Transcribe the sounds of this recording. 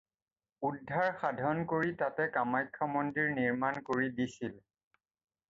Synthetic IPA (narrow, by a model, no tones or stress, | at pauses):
udʱːaɹxadʱɔnkoɹitatɛkamajkʰːamɔndiɹniɹmankoɹidisil